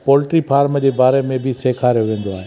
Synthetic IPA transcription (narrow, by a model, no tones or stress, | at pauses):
pɔːlɪʈɾipʰaːɾmd͡ʑeːbaːɾemẽbʱɪseːkʰaːɾjoʋẽːn̆d̪oaːɦe